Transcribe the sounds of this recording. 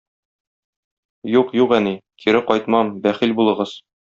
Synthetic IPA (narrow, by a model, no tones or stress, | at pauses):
juqjuqænikʰiɾɘqɒjt̪mɑmbæχilbulˠɤ̆ʁɤz̥